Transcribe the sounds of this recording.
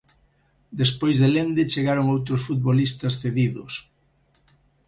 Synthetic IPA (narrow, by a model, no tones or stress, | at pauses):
d̪espojzðelend̪et͡ʃeɣaɾʊŋowt̪ɾʊsfut̪̚βolist̪ɐsθeðiðʊ̰s